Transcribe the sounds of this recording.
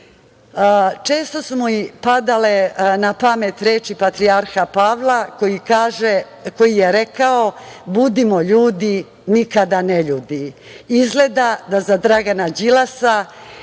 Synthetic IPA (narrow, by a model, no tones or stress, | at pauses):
t͡ʃe̞ːst̪o̞sumoipad̪alenapamet̪ɾeːt͡ʃipat̪ɾiaɾxapaːʋlakojikaːʒe | ko̞jijeɾekao̞bud̪imoʎuːd̪i | nikad̪aneʎuːd̪iizɡle̞d̪ad̪azad̪ɾaɡanad͡ʑilasa